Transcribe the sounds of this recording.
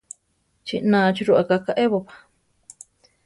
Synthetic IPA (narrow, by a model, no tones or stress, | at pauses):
t͡ʃinãːt͡ʃiɾuʔakakaʔeβopḁ